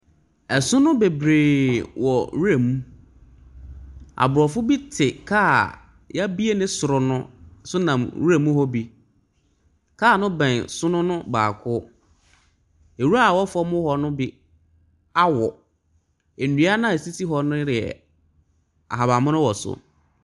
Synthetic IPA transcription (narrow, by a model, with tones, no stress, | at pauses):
ɛ˨sʊ˦nʊ̃˦be˨bɾeː˨wɔ˨wu˦e˨mũ˦ | a̰˨bʊ˨ɾɔ˨fʊ˦bi˦tʰɪ˨kʰaː˦ | ja˦bi˦e˦nɪ̃˦sʊ˨ɾʊ˨nʊ̃˦˨sʊ˦nã˨mwu˦ɾe˨mũ˦hɔ˦bi˨ | kʰaː˦˨nʊ̃˦bɛ̃˨nsʊ˦nʊ̃˦nʊ̃˦ba̰ː˨kʰʊ˦ | e˨wu˦ɾa˦a˨wɔ˦fʊ˦ɔ˦mʊ̃˦hɔ˨nʊ̃˦bɪ˦ | a˦wɔ˨ | e˨nũ˨˦a˦nã˦˨e˨si˦ti˦ɦɔ˨nʊ̃˦ɾɪ˨ɛ̰˨ | a̰˨ɦa˨ba˨mʊ̃˦nʊ̃˦wɔ˨sʊ̰˨